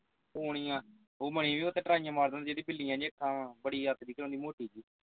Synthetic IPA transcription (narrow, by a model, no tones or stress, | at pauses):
oːɽ̃iːãː | oːməɽ̃ĩʋiːot̪eːʈɾaːĩjãːmaːɾd̪nd̪ad͡ʒeːd̪iːbɪlːijãːd͡ʒiːəkʰːãːbəɽiːət̪d̪iːkəɾõːnd̪iːmoːʈiːd͡ʒiː